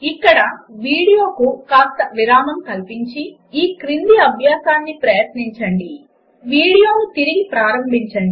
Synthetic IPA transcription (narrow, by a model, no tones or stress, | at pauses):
ikːɐɽɐʋiːɽijo̞ːkukaːst̪ɐʋiɾaːmɐmkɐlpiɲt͡ʃi | iːkɾind̪iɐbʱjaːsaːnːipɾɐjɐt̪niɲt͡ʃɐɳɖi | ʋiːɽijoːnut̪iɾiɡipɾaːɾɐmbʱiɲt͡ʃɐɳɖi